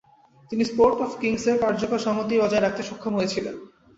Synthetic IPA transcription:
t̪inispoɾʈɔfkiŋseɾkaɾd͡ʑokoɾʃɔŋot̪iɔd͡ʑaeɾak̚ʰt̪eʃɔkʰːomɦojet͡ɕʰilḛn

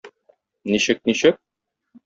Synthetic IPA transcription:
niɕɘk̚niɕɘk̚

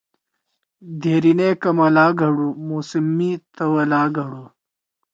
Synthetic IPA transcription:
d̪ʱeːɾinekɐmɐlaːɡʱɐɽumoːsimːit̪ɐwɐlaːɡʱɐɽu

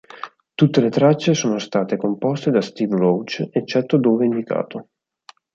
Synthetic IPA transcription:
t̪ut̪ːelet̪ɾat͡ʃːesoːnost̪aːt̪ekompɔst̪ed̪ast̪ivrowt͡ʃet͡ʃːɛt̪ːod̪oːveind̪ika̰ːt̪o

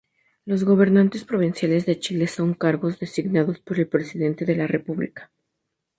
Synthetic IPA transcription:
lo̞zɣo̞β̞e̞ɾnant̪e̞spɾo̞β̞insjale̞zðe̞t͡ʃile̞so̞ŋkaɾɣo̞zðe̞siɣnaðo̞spo̞ɾe̞lpɾe̞siðe̞nt̪e̞ðe̞lare̞puβlḭkḁ

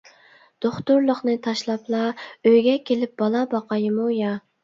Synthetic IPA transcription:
d̪̥oχt̪ʊɾlˠəχnɨt̪ʰɑʃlˠɑplˠɑøjɡʲɛkʲelɪp̚bɑlˠɑbɑqɑjɨmujɑ

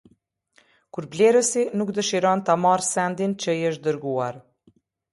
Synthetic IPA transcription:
kuɾblɛɾəsinukd̪əʃiɾɔnt̪amaɾsɛnd̪int͡ɕəjəʃ̬d̪əɾɡuaɾ

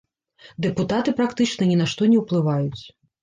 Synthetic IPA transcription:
d̪ɛput̪at̪ɨpɾakt̪ɨt͡ʂnɐnʲɛnaʂt̪ɔnʲɛwplˠɨvajut͡sʲ

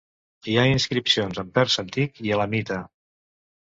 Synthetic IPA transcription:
iainskɾipsionzəmpɛɾsənt̪ikiələmit̪ə

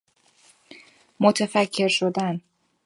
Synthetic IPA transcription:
mot̪ʰefæcʰːe̞ɾʃo̞d̪æn

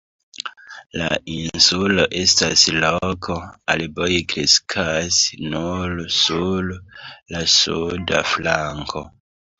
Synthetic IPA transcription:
la̰insulo̞ʔe̞staslokʰo̞albojikɾiskʰasnulsullasuda̰flaŋkʰo̞

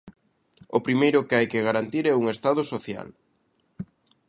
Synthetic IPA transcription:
opɾimejɾʊkeajkɪɣaɾant̪iɾɛuŋest̪að̞ʊsoθja̰l

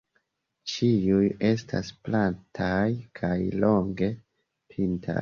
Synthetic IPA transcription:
t͡ʃiuje̞stʰa̰splantʰajkʰajlo̞ŋɡe̞ | pʰintʰa̰j

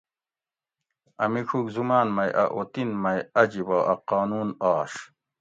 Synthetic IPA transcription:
ɐ̰mikʰukzumaːnmɐjʔɐ̰ʔot̪inmɐjɐd͡ʑibɐʔɐqaːnuːnaːʂ

